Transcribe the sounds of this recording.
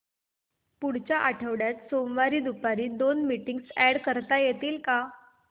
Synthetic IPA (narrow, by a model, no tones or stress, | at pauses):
puɽ̤t͡ɕaʔaʈʰəʋɽjat̪somʋaɾiːd̪upaɾiːd̪onmiʈiŋɡsɛɽkəɾt̪ajet̪iːlka